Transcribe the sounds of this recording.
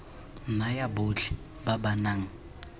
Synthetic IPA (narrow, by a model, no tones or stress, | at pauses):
majabot͡ɬi̥ | babanaŋ̩